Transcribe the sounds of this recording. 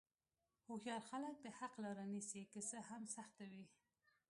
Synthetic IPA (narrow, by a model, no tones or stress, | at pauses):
huxjɑɾxalək̚d̪əhaqlɑɾanisikəsəhamsaxt̪awi